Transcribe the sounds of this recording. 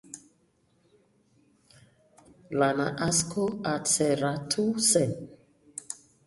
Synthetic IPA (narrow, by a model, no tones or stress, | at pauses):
lana̰ʔaskʰoat͡sɛɾatʰusɛn